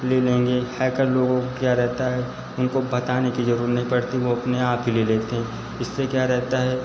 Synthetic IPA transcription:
lelẽːŋɡehɛːkəɾloːɡõkjaːɾɛɦt̪aɦɛ | ʊnkobɐt̪aːnekizɐɾuːɾət̪nɐɦĩpɐɽt̪iʋoɐpneaːpileleːt̪eɦɛ̃ | ɪsːekjaːɾɛɦt̪aɦɛː

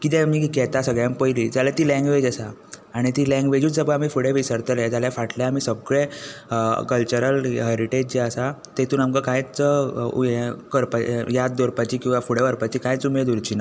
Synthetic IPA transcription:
kit̪ẽmiːkikɛt̪asəɡɭjampəjlid͡zalat̪iːlɛ̃ŋɡʋed͡ʑasaːɽ̃it̪iːlɛ̃ŋɡʋed͡ʑuːt͡sd͡zəbəamiːfuɽeʋisəɾt̪əlɛd͡zaljafaʈljaam̤iːsəɡɭẽ | kəlt͡ɕəɾəlɦəɾiʈed͡ʑt͡ɕeəsat̪et̪uːnamkəkãjt͡s | kəɾpajat̪̚d̪oɾpat͡ɕiːkĩw̃ʋafuɽeʋəɾpat͡ɕiːkajt͡sumed̪uɾt͡ɕiːna

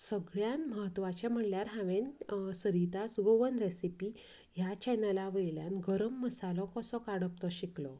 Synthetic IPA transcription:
səɡɭjanməɦət̪ːʋat͡ɕam̤əɽljaɾɦãʋensəɾit̪asɡoʋənɾesipi | ɦjat͡ɕajnalaʋəjlja̰nɡəɾəmːəsalɔkəsɔkaɽəp̚t̪ɔɕiklɔ

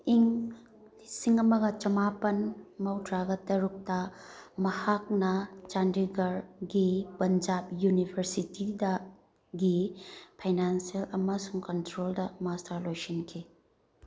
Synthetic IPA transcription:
iŋ | isiŋɐmɐɡɐt͡ʃɐmapɐnmɐwtɾaɡɐtɐɾuk̚tɐmɐhak̚nɐt͡ʃandiɡɐɾɡipɐnd͡ʒap̚junibʰɐɾsitidɐ | ɡipʰajnansielɐmɐsuŋkɐntɾoldɐmastɐɾlojsinkʰi

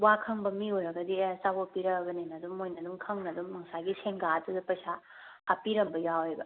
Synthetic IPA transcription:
wakʰɐŋbɐmiojɾɐɡɐdisabopiɾɐɡɐninɐdumːojnɐduŋkʰɐŋnɐduŋːɐŋsaɡiseŋɡaɐtudɐpɐjsa | ɐpiɾɐmbɐjawejbɐ

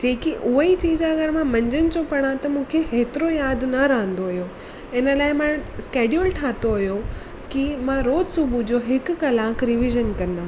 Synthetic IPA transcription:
d͡ʑeːkiʔʊɦit͡ɕiːd͡ʑɐɡəɾmãmɐ̃ɲd͡ʑənɪ̆t͡ɕopɐɽ̃ãt̪ɐmũːkʰeɦeːt̪ɪɾojaːd̪ʱnɐɾɐɦə̃n̆d̪oɐɦjo | ɪnəlaːɪmãskeːɖjulʈʰaːt̪oɐɦijo | kimãɾoːd͡ʑsubʱud͡ʑoːɦɪk̆kɐlãːkɾɪʋiʒənkɐ̃nd̪aː

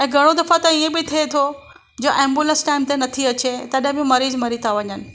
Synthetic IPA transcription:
ɛ̃ːɡʱɐɽ̃od̪ɐfat̪ɐiẽbɪt̪ʰiet̪ʰo | d͡ʑoʔɛ̃ːmbulə̃nsʈaːɪmt̪enɐt̪ʰiɐt͡ɕet̪ɐɗɦɪ̃bɪ̃mɐɾiːzmɐɾit̪ʰaʋɐɲənɪ̆

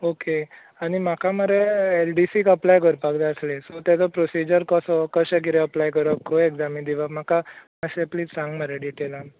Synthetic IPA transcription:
oke | añim̤akaməɾeelɖisikəplajkəɾpaɡd̪aəslesɔt̪ɛt͡sɔpɾosid͡ʑəɾkɔsɔkəɕek̬iɾeəplajkəɾəkʰueɡd͡zamind̪iʋam̤akamasepliːt͡ssãŋɡməɾeɖiʈelan

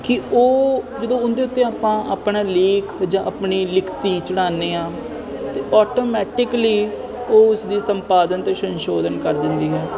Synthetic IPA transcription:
kɪoːd͡ʒəd̪õːʊnd̪eːʊt̪ːeːaːpãːʔaːpɳaːleːkʰd͡ʒãːʔapɳiːlɪkʰt̪iːt͡ʃəɽ̃aːneːãː | t̪eːʔɔːʈoːmɛːʈɪkliː | oːʊsd̪iːsəmpaːd̪ənt̪eʃə̃nʃoːd̪ənkəɾd̪ɪnd̪iːɦɛː

